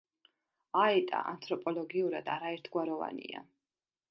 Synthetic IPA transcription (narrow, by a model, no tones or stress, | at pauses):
aɛt̪ʼa̰ʔant̪ʰɾɔpʼɔlɔɡiuɾad̪aɾaɛɾt̪ʰɡwaɾɔva̰nḭa̰